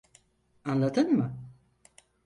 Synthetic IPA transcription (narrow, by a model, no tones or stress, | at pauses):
anlˠat̪ʰɯnmɯ